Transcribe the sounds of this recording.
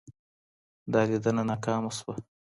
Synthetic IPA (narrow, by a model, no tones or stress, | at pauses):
d̪ɑlid̪ənanɑkɑːmaswa